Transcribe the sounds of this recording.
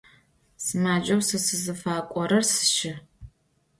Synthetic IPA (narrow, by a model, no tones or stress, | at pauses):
sɨmaːd͡ʒɐwsɨsɨzɨfaːkʷʼɔɾɐrsɨ̥ʃɪ